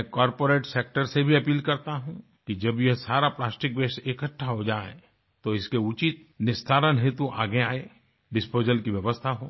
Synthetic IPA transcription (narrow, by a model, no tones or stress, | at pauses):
ɛkɔːɾpoːɾeːʈseːk̚ʈəɾsebʱiɐpiːlkɐɾt̪aɦũ | kid͡ʒɐbjɐɦsaːɾaplaːsʈɪk̚beːsʈekəʈʰːaɦod͡ʒaːḛ̃ | t̪oɪskeʊt͡ʃit̪̚nɪst̪ʰaːɾənɦet̪uʔa̰ːɡeaːe | ɖɪspoːd͡ʒəlkiʋjɐʋəst̪ʰaɦo̰ː